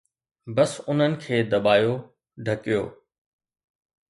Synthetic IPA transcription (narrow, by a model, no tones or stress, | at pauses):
bɐsʊn̤ənɪ̆kʰeːd̪ɐbaːjo | ɖʱɐkijo̰ː